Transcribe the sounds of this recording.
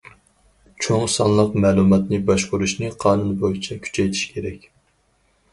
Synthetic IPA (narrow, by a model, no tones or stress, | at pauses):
t͡ʃʰoŋsɑnlˠəqmɛːlˠumɑt̪nɨbɑʃvoɾuʃnɨqʰɑːnunbojit͡ʃʰɛkʲʰy̥t͡ʃʰɛjt̪ʰi̥ʃkʲʰeɾɛkʲ